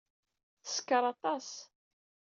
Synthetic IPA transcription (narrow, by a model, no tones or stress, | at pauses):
θə̥skːəɾˤɑt̪ˤɑs